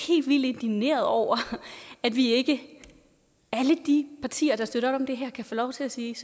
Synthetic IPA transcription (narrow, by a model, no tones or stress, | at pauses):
he̝̰ːldʋil̰d̥e̝nd̥ine̝̰ːɐð̩ˠɒʊ̰ɐæd̥ʋie̝ɡ̥ə | æləd̥ipʰɑ̈t͡sʰḭːɐd̥ɑ̈sd̥øɾ̥ɐɒ̥̽ɒ̽md̥e̝ɦæɐ̰kʰæfɔ̰ːlɒʊt͡sʰe̝læsiːs